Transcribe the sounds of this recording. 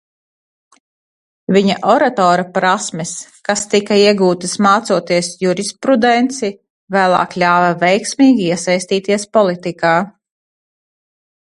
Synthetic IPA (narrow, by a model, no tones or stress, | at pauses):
viɲa̰ʔɔɾat̪ɔːɾapɾasmɛskast̪ikaiɛɡuːt̪ismaːt̪suɔt̪iɛsjuɾispɾud̪ɛnt̪si | væːlˠɑ̰ːklʲaːvɐvɛjksmiːɡʲiiɛsajst̪iːt̪iɛspɔlˠit̪ikaː